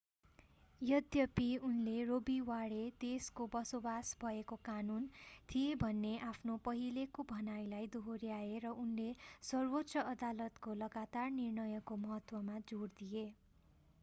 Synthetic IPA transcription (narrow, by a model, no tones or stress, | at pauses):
jʌd̪jʌpiunlerobiwaɽed̪eskobʌsobasbʱʌekokanunt̪ʰijebʱʌnːeʔapʰnopʌɦilekobʱʌnajlajd̪oɦoɾjaeɾʌʔunlesʌrwot̪ːsʌʌd̪alʌt̪kolʌɡat̪arnirnʌjʌkomʌɦʌt̪wʌmad͡zoɽd̪ije